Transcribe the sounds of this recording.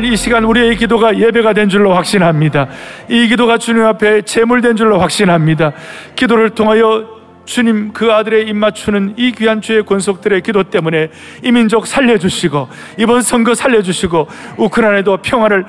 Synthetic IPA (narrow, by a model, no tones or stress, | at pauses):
iɕʰiɡanuɾieikidoɡaje̞be̞ɡadwe̞nd͡ʑuɭːoɸwak̚ɕ͈inɦamɲidaikidoɡat͡ɕuɲimapʰe̞t͡ɕe̞muɭdwe̞nd͡ʑuɭːoɸwak̚ɕ͈inɦamɲidakidoɾɯɭtʰoŋɦajʌ | t͡ɕuɲimkɯadɯɾe̞imːat͡ɕʰunɯnikɥiɦant͡ɕ͈ʰue̞konsʰok̚t͈ɯɾe̞kidot͈e̞mune̞ | imind͡ʑok̚sʰaʎːʌd͡ʑuɕʰiɡo | ibʌnsʰʌŋɡʌsʰaʎːʌd͡ʑuɕʰiɡo | ukʰɯnane̞dopʰjʌŋwaɾɯɭ